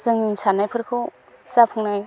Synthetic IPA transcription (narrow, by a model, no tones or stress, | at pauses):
zɯŋisanajpʰɯɾkʰɯw | zapʰɯŋnaj